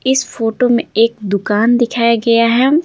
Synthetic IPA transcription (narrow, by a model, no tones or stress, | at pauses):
ɪsfoːʈomẽeːkd̪ʊkaːnd̪ɪkʰaːjaɡɐjaɦɛː